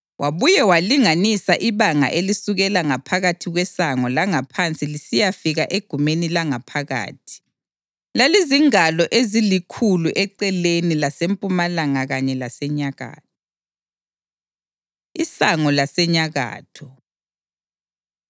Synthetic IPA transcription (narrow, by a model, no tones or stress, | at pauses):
wʔaβujɛwaliŋanisaʔiβaŋa̰ʔelisuɣɛlaŋapʰaɣatʰiɣwɛsaŋɔlaŋapʰant͡sʼilisijafiɣaʔeɡ̥ʱumenilaŋapʰaɣa̰ːtʰi̥ | laliziŋalɔʔezilikʰuluʔɛǀɛlenilasempʼumalaŋaɣaɲɛlasɛɲaɣa̰ːt̚ʰɔ̥ | isaŋɔlasɛɲaɣa̰ːtʰɔ